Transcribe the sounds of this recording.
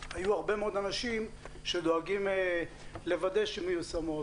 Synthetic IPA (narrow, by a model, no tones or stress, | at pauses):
hajuaʁbe̞meod̪anaʃim | ʃed̪o̞aɡim | le̞vad̪e̞ʃimajusamo